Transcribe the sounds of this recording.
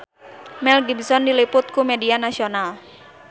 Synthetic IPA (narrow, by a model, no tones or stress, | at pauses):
mɛlɡibsɔndilipʊt̪̚kumɛdianasional